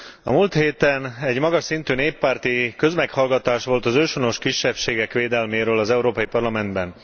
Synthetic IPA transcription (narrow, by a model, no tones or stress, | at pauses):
ɒ̰muːlt̪heːt̪ɛnɛɟmɒɡɒʃsint̪yːneːpːaːrt̪ikø̞zmɛkhɒlɡɒt̪aːʃʋo̞lt̪ɒzøːʃono̞ʃkiʃːɛpʃeːɡɛkʋeːd̪ɛlmeːɾøːlɒzɛuɾoːpɒjipɒrlɒmɛnd̪bɛn